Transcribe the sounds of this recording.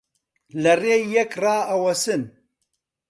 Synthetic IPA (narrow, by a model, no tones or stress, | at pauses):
lɐreːjɛkraːɐwɐsɨn